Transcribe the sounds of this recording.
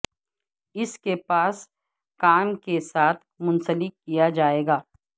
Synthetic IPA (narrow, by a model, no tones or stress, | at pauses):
ɪskepaːs | kaːmkesaːt̪ʰmʊ̃nsəlɪkkːijad͡ʒaːeːɡaː